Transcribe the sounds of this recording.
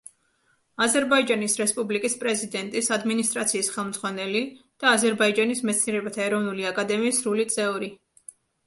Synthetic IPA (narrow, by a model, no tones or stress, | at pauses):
azɛɾbaid͡ʒanisɾɛspʼublikʼispʼɾɛzid̪ɛnt̪ʼisad̪minist̪ʼɾat̪sʰiːsχɛlˠmd̪zʁwanɛli | d̪̥aːzɛɾbaid͡ʒanismɛt̪sʰniɛɾɛbat̪ʰaɛɾɔvnuliakʼad̪ɛmiːsɾulit̪sʼɛuɾi